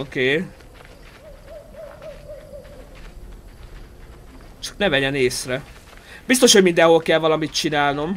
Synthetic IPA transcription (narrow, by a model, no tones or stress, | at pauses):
okeː | t͡ʃɒ̥knɛvɛɟɛneːsrɛ | b̥is̬t̪o̞ʃho̞ɟmind̪ɛnho̞lkɛlvɒlɒmit̪t͡ʃinaːlno̞m